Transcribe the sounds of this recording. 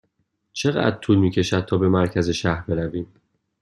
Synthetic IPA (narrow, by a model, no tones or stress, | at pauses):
t͡ʃʰe̞ɣæ̰d̪̚t̪ʰuːlmiːcʰe̞ʃæd̪̥̚t̪ʰɒːbe̞mæɾcʰæze̞ʃæhɾbe̞ɾæviːm